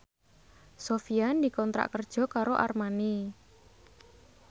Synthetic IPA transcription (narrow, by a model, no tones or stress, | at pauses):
sofiand̪i̤kɔnt̪ɾa̰ʔkərd̥ʒ̥ɔ̤kaɾoʔa̰rmani